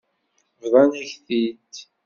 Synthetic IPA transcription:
vðˤɑnæçθid̪

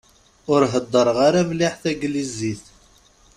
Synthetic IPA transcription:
ʊɾɦəd̪ˤːəɾˤʁaɾavliħθæɡliziθ

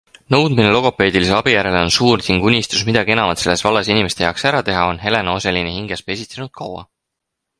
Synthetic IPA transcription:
nɤ̞wd̪̥minelo̞ɡ̥ope̞ːd̪̥iliseɑb̥ijæɾe̞leo̞nsuːɾt̪ʲiŋɡ̥unʲist̪usmid̪̥ɑɡie̞nɑmɑt̪se̞lːe̞svɑlːɑsinʲimest̪ejɑksæɾɑt̪e̞ɦɑo̞nɦe̞lenoselinehiŋɡ̥espe̞sʲit̪senud̪̥̚kʰɑwɑ̰

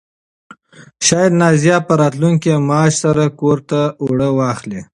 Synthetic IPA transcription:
ʃɑjɑd̪nɑzijɑpəɾɑt̪luŋkemɑːʃsaɾakoɾt̪aoɽəwɑxle

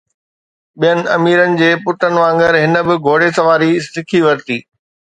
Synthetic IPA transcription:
ɓijənɪ̆ɐmiːɾənɪ̆d͡ʑeːpʊʈənɪ̆ʋãːŋɡəɾɦɪnə̆bɪɡʱoːɽesɐʋaːɾisɪkʰiʋɐɾt̪iː

